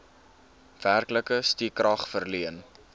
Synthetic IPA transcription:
v̥ærkləkəstikrɐχfərliən

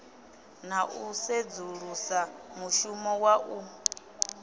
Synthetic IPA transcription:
naʔused͡zuɺusamuʃumɔwaʔu

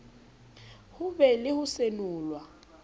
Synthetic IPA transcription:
hʊβɛlɪhusenuːlwa

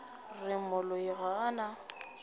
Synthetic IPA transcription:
rɪmʊlʊiɣaːna

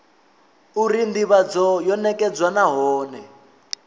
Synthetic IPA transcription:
uɾind̪iβad͡zɔjɔnɛkʼɛd͡zwanaɦɔːnɛ

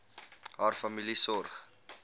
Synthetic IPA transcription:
ɦaːrfɐmilisɔrχ

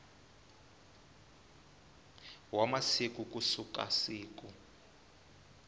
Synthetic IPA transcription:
wamasikukʼusuka̰siːk̬u

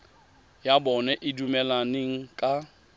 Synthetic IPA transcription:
jabɔnɛʔɪdumɛlaneŋ̩kʼa

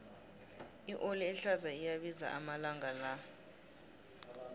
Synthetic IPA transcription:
iʔoliɛɬazaijaɓiza̰ʔamalaŋʱala

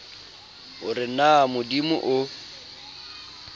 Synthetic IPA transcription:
ʊrɪnamʊdimʊʔʊ

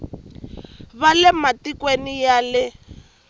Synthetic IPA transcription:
βalɛmatikwenijalɪ

